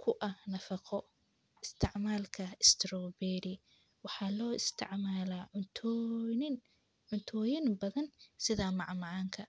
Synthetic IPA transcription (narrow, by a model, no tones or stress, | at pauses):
kʰʊʔɐhnɐfɑqʰɔ | ɪst̪ʰɪʕmaːlkʰɐɪst̪ʰɾɔːbɛːɾɪ | wɑħɑːlɔːɪst̪ʰɪ̰ʕmaːlaːt̪ʰːɪn | ʕʊnt̪ʰɔːjɪnbɐðɐnsɪðɐmɑʕmɑʕɑːŋkʰɐ